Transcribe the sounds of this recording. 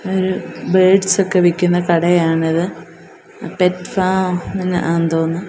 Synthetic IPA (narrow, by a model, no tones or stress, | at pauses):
oɾubeːɖsokːeʋikʲːunːɐkɐɽɐjaːɳɐðɨ | petfaːmɐnːɐ̰ʔaːnd̪oːnːɨ